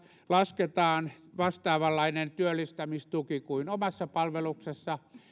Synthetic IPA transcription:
lɑsket̪ɑːnʋɑst̪ɑːʋɑlːɑinent̪yølːist̪æmist̪ukikuinomɑsːɑpɑlʋeluksesːɑ

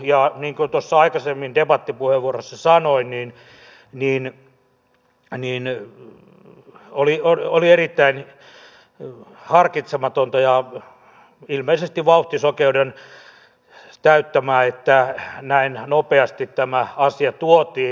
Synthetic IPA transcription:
jɑniːŋkunt̪osːɑɑikɑsemːindebɑt̪ːipuheʋʋuorosːɑsɑnoinniːn | niːn | niːn | olioolierit̪ːæin | hɑrkit̪semɑt̪ont̪ɑjɑ | ilmeisest̪iʋʋɑuht̪isokeuden | t̪æyt̪ːæmæːet̪ːænæinnopeɑst̪it̪t̪æmæɑsiɑt̪uot̪iː

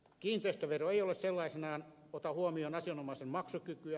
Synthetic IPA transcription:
kiːnt̪eist̪øʋeroeijolesselːɑisenɑːn | ot̪ɑhuomionɑsionomɑisemmɑksukykyæ

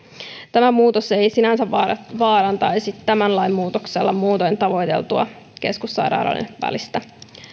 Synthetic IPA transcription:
t̪æmæmuːt̪ose̞jsinænsæʋɑːɾɑnt̪ɑjsit̪ːæmænlɑjmmuːt̪okse̞lːɑmuːt̪ojnt̪ɑʋo̞jt̪e̞̰lt̪uɑ̰ | ke̞skusːɑ̰jɾɑ̰ːɾɑ̰lḛnʋæ̰list̪æ

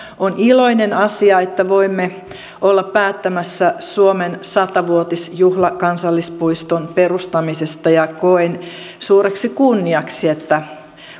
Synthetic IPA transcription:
oniloinenɑsiɑet̪ːæʋoimːe | olːɑppæːt̪ːæmæsːæsuomensɑt̪ɑʋuot̪isjuhlɑkɑnsɑlːispuist̪onperust̪ɑmisest̪ɑjɑkoen | suːɾeksikunːiɑksiet̪ːæ

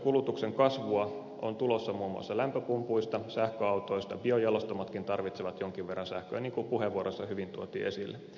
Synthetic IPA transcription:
kulut̪ukseŋkɑsʋuɑ | ont̪ulosːɑmuːmṵɑ̰sːɑlæmpøpumpuist̪ɑsæhkøɑut̪oist̪ɑbiojɑlost̪omɑt̪kint̪ɑrʋit̪seʋɑt̪joŋk̟iʋʋerːɑnsæhkø̰ːniːŋkupuɦeʋːuoɾosːɑhyʋint̪uot̪ḭːʔesilːe

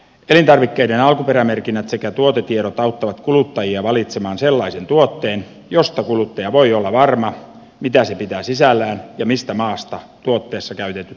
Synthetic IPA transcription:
elint̪ɑrʋikːeidenɑlkupeɾæmerkinːæt̪sekæt̪uot̪et̪ieɾot̪ɑut̪ːɑʋɑt̪kulut̪ːɑjiɑʋɑlit̪semɑːnselːɑisent̪uot̪ːeːn | jost̪ɑkulut̪ːɑjɑʋoiolːɑʋɑrmɑ | mit̪æsepit̪æːsisælːæːnjɑmist̪æmɑːst̪ɑt̪uot̪ːeːsːɑkæyt̪et̪ːy

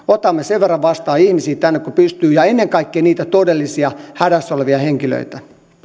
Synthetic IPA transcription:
ot̪ɑmːeseʋʋerːɑʋʋɑst̪ɑːihmisiːt̪ænːekkupyst̪yːjɑenːeŋkɑikːeːniːt̪æt̪odelːisiɑhæɾæsoleʋiɑheŋkilø̰it̪æ

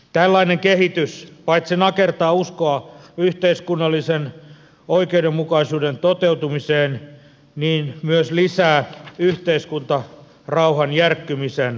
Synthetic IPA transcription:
t̪ælːɑineŋkehit̪yspɑit̪sinɑkert̪ɑːuskoɑyht̪eiskunːɑlːisen | oikeudemmukɑisuːdent̪ot̪eut̪umiseːn | niːnmyøslisæːyht̪eiskunt̪ɑ | rɑuhɑnjærkːymisen

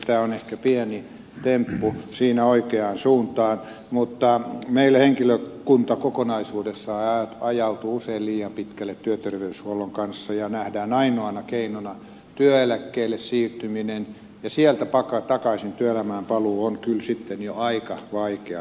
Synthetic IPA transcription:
t̪æːonehkæpiæni | t̪empːusiːnæoikeɑːnsuːnt̪ɑːn | mut̪ːɑmeilːæheŋkiløkunt̪ɑkokonɑisuːdesːɑɑjɑut̪uuseilliːjɑmpit̪kælːet̪t̪yøt̪erʋeyshuoloŋkɑnsːɑjɑnæhdæːnɑinoɑnɑkeinonɑ | t̪yøelækːeːlːessiːrt̪yminen | jɑsiælt̪æpɑkɑt̪ɑkɑisint̪yøelæmæːmpɑluːonkylsit̪ːenjoɑikɑʋɑikeɑ

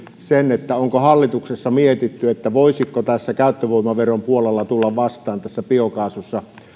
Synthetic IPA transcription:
senet̪ːæoŋkohɑlːit̪uksesːɑmiet̪it̪ːyet̪ːæʋoˑisikːot̪æsːækæˑøt̪ːøʋoˑimɑʋerompuolelːɑt̪ulːɑʋʋɑst̪ˑɑːnt̪æsːæpiokɑːsusːɑ

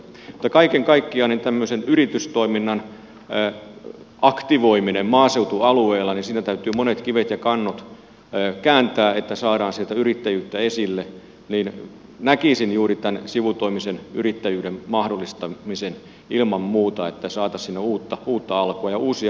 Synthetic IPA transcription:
mut̪ːɑkɑikeŋkɑikːiɑnent̪æmːøsenyrit̪yst̪oiminːɑn | ʔɑkt̪iʋoiminemmɑːseut̪uɑlueːlːɑninsiːnæt̪æyt̪yːmonet̪kiʋet̪jɑkɑnːot̪ː | kæːnt̪æːet̪ːæsɑːɾɑːnsielt̪æyrit̪ːæjyːt̪ːæesilːe | niːn | nækisinjuːrit̪ænsiʋut̪oimisenyrit̪ːæjyːɾemmɑhdolːˑist̪ɑmisen | ilmɑmmuːt̪ɑet̪ːæsɑːt̪ɑssinːeuːt̪ːɑuːt̪ːɑɑlkuɑjɑʔuːsi

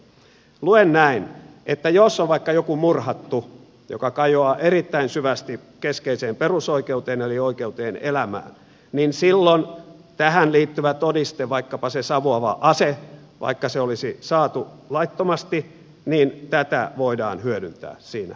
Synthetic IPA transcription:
luennæinʔet̪ːæjosːoʋʋɑikːɑjokumurhɑt̪ːu | jo̰kɑkɑjoɑːʔeɾit̪ːæinsyʋæst̪i | keskeiseːmperusoikeut̪eːnelioikeut̪eːnelæmæ̰ːn | ninsilːont̪æhænliːt̪ːyʋæt̪odist̪eʋɑikːɑpɑsesɑʋoɑʋɑ̰ʔɑse | ʋʔɑ̰ikːɑseolisisɑːt̪u | lɑit̪ːomɑst̪i | niːnt̪æt̪æ̰ʋoidɑ̰ːnhyødynt̪æ̰ːsiːnæ̰

